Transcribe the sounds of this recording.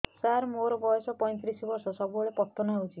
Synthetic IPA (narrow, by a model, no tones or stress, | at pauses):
saɾmoɾɔbɔjɔsɔpɔj̃t̪ɾisɔbɔɾsɔsɔbuɔɭepɔt̪ːɔnɔɦewt͡ʃʰi